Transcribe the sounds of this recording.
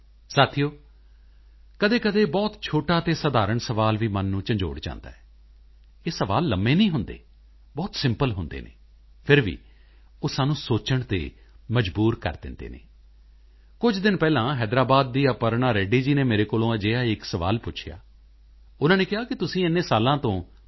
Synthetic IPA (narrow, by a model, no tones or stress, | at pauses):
saːt̪ʰijoː | kəd̪eːkəd̪eːbɔːt̪t͡ʃʰoːʈaːt̪eːsəd̪aːɾəɳsəʋaːlʋiːmənːũːt͡ʃə̃ɲd͡ʒo̰ːɽt͡ʃã̰ːnd̪a̰ːɛː | eːsəʋa̰ːlːəmːeːnĩːɦʊnd̪ḛː | bɔːt̪sɪ̃mpəlɦʊnd̪ḛːnḛː | pʰɪɾʋḭː | oːsaːnũːsoːt͡ʃəɳt̪ḛː | məd͡ʒbuːɾkə̰ɾd̪ɪ̰̃nd̪ḛːnḛː | kʊd͡ʒd̪ɪnpɛːlãːɦɛːd̪ɾaːbaːd̪̚ːiːəpəɾɳaːɾɛːɖiːd͡ʒiːneːmeːɾeːkoːlõːəd͡ʒeːaːɪksəʋa̰ːlpʊt͡ʃʰɪja̰ː | ʊnãːneːkɪɦaːkɪt̪ʊsĩːɪnːẽːsaːlãːt̪õː